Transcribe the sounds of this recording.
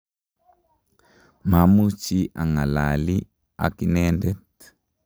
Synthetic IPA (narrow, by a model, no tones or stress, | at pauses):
mamut͡ʃiʔaŋalali | a̰kinɛndɛt